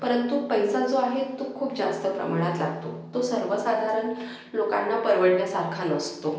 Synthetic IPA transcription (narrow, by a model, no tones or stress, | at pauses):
pəɾənt̪upəjsad͡zoaɦet̪ːokʰuːpd͡zast̪əpɾə̰maɽ̃at̪laɡt̪o̰t̪osəɾʋəsad̪ʱaɾəɳ | lokanːapəɾʋəɽljasaɾkʰanəst̪o